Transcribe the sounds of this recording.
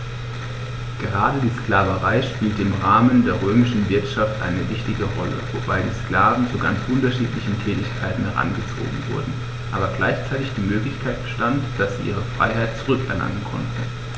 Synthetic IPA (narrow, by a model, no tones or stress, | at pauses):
ɡ̥əʁ̞aːdədiːsklaːvəʁaɪʃpiːltəɪmʁaːməndeːɐʁ̞øːmɪʃn̩vɪɐtʃaftʔa̰ɪnəvɪçtɪɡəʁɔlə̰vobaɪdiːsklaːvn̩t͡suɡa̰nt͡sʔʊntɐʃiːtlɪçn̩tʰɛːtɪçkʰaɪtn̩hɛʁa̰nɡət͡so̰ːɡŋ̩vʊ̰ɐdn̩ | ʔaːbɐɡla̰ɪçt͡saɪtɪçd̥iːmøːklɪçkʰaɪt̚b̥əʃtantd̥asz̥iːʔiːʁ̞əfʁ̥a̰ɪɦaɪt̚t͡suʁ̞ʏkɛɐna̰ŋənkʰɔ̰ntn̩